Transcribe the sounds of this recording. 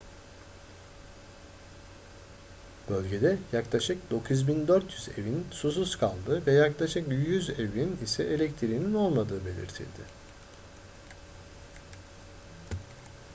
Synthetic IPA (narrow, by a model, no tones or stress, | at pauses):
b̥ø̞lʲɟe̞d̪ɛjaklˠaʃɯk̚d̪o̞kʰuzbind̪øɾt̪ʰjyze̞vinsus̬uskʰalˠd̪ɯvɛjaklˠaʃɯkjyzevinisɛʔelʲɛct̪ʰiɾinino̞lˠmad̪ɯːbe̞lʲḭɾt̪ʰḭlʲd̪ɪ